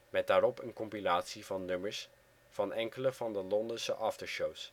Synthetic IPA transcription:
mɛt̚daːɾɔpənkɔmpilaːtsivɑnːɵməɹs | v̥ɑnɛŋkələvɑndəlɔndəsəʔɑftəɹʃows

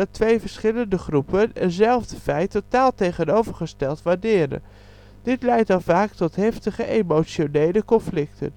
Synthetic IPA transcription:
ɑtʋejvəɹsχɪləndəχrupənənzɛlˠvdəfɛjtotaːlˠtejχənowvəɹχəstɛlˠtʋaːɹdɪːɾə̰ | d̥ɪtlɛjtɑnˠvaːktɔtɦɛftəχəʔejmowt͡ʃonejləkɔnflɪktə̰n

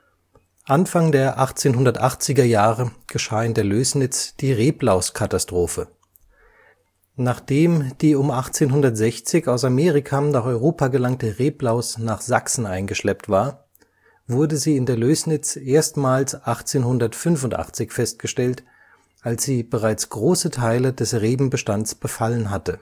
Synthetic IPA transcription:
ʔanfaŋdeːɐʔaχt͡seːnɦʊndɐtʔaχt͡sɪɡɐjaːʁəɡ̥əʃaːɪndeːɐløːsnɪt͡sd̥iːʁeːplaʊskʰatastʁ̥oːfə | naːχd̥eːmd̥iːʊmʔaχt͡seːnɦʊndɐtz̥ɛçt͡sɪçaʊsameːʁɪkʰanaːχɔʏʁoːpʰaɡəlaŋtəʁeːplaʊsnaːχz̥aksn̩ʔaɪnɡəʃlɛptv̥aːɐ | vʊɐdəziːɪndeːɐløːsnɪt͡sʔeːɐstmaːlsʔaχt͡seːnhʊndɐtfʏnfʊntʔa̰χt͡sɪçfɛst̚ɡ̥əʃtɛlt | ʔalsz̥iːbəʁaɪt͡sɡ̥ʁoːsətʰaɪləd̥ɛsʁeːbm̩bəʃtant͡sb̥əfalənɦatə

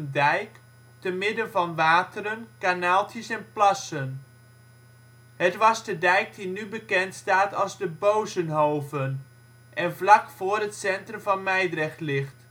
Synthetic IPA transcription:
ndɛjk | təmɪdənvɑnʋaːtərənkanaːlˠtəsɛnplɑsən | ɦətʋɑzdədɛjk̚dinybəkɛntstaːtɑlˠzdəbowzənɦowvən | ʔɛnvlɑkfʊːrɦətsɛntrəmvɑnmɛjdrɛχlɪχt

